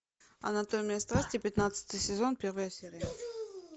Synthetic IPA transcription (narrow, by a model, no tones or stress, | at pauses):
ɐ̰nɐt̪omʲijəst̪ɾasʲtʲɪpʲɪt̪nat̪sɨ̥t̪ɨjsʲɪzo̞npʲe̞ɾvəjəsʲeɾʲɪjə